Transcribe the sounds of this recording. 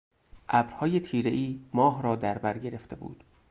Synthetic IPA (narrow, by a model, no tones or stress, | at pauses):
ʔæbɾhɒːjet̪ʰiːɾe̞ʔiːmɒːɦɾɒːd̪æɾbæɾɟe̞ɾeft̪ʰebṵːd̪̥